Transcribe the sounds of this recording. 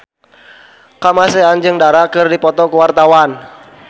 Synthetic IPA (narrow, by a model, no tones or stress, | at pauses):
kamaseand͡ʒɨŋdaɾakɨrdipɔt̪ɔkəwart̪awan